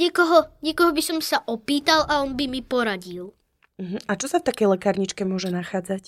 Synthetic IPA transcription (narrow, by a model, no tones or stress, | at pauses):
ɲɪɛkɔɦɔɲɛkɔɦɔbisɔmsaʔɔpiːt̪alʔaɔnbimipɔɾaɟil | m̩ɦm̩at͡ʃɔsaft̪akɛjlɛkaːɾɲit͡ʃkɛmʊɔʒɛnaxaːd͡zac